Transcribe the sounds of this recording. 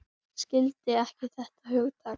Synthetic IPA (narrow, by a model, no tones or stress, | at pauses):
scɪlt̪ɪɛhcɪθɛht̪aɦʏɣʏt̪ʰa